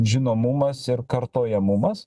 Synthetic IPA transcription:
ʒʲɪnoːmʊmɐsɪɾkɐɾt̪oːjɛmʊmɐs

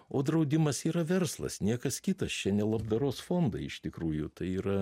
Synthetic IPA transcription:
oːd̪ɾɐʊd̪ʲɪmɐsiːɾɐʋʲɛrslˠɐ̰snʲiɛkɐskʲɪt̪ɐst͡ʃʲɛnʲɛlˠɐbd̪ɐɾoːsfoːnd̪ɐɪɪʃt̪ʲɪkɾuːjʊt̪ɐɪiːɾɐ

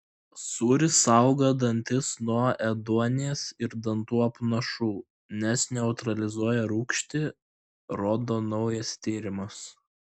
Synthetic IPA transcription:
suːɾʲɪsɐʊɡɐd̪ɐnʲt̪ʲɪsnuɔɛd̪uɔnʲɪjɛsɪɾd̪ɐnt̪uːɐpnɐʃuː | nʲɛsnʲɛʊt̪ɾɐlʲɪzuɔjɛɾuːkʃʲt̪ʲɪ | ɾoːd̪oːnɒʊjɐst̪ʲiːɾʲɪmɐs

